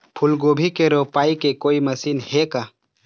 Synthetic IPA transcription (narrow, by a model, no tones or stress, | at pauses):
pʰʊlɡoːbʱikeɾopaːikekoːiməsiːnhekaː